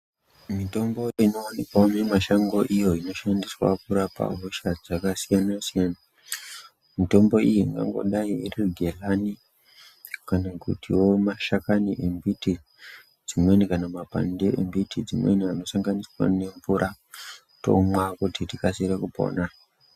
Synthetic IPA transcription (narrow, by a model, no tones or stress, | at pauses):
mito̞mbo̞ino̞wanikamemaʃaŋɡo̞ʔijo̞ino̞ʃandiswa̰kuɾapa̰ɦoʃad͡zakasijanasijana | mito̞mbo̞ijiŋɡa̰ŋɡo̞̰ɗaierirɡʱe̞lani | kanakṵtiwo̞maʃakaniʔembiti | d͡zinwenikanamapa̰ndeḛmbitʰid͡zimwḛniano̞saŋɡaniswa̰ne̞ɱvuɾʔa | to̞̰mwakutitikasiɾekupo̞̰ːna